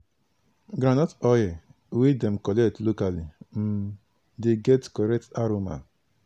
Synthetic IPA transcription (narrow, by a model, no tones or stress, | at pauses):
ɡɾanɔtɔjɪ | wɪdɛm̩kɔlɛtlokalim̩ | deɡɛtkɔɾɛk̚taɾoma̰